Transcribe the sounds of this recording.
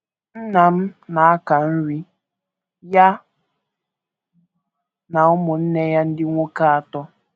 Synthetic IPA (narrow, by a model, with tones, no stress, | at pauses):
n̩˦na˨m̩˦na˨a˦ka˨n̩˦ɾi˦ | ja˦ | na˨ʊ˦mʊ˨n̩˦ne˦ja˦n̩˦dɪ˦ŋʷo˦ka˦a˨tɔ˦